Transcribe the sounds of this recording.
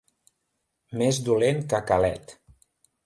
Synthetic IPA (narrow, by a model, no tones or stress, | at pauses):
mezd̪uleŋkəkalɛ̰t̪